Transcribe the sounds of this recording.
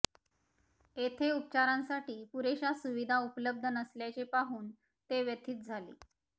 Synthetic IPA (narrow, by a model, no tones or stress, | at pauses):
et̪ʰeup̚t͡ɕaɾãnsaʈiːpuɾeɕasuʋid̪ʱaupləb̚d̪ʱənəsljat͡ɕepaɦuːn | t̪eʋjət̪ʰiːt̪̚d͡zʱalḭː